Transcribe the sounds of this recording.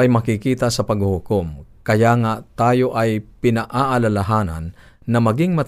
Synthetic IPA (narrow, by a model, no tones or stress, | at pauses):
ʔɐjmɐkɪkiːt̪asɐpɐɡhʊhʊkomkɐjaŋat̪aːjo̞ʔɐjpɪnaʔaʔalalaɦaːna̰nː | ɐmɐɡɪŋmɐt̪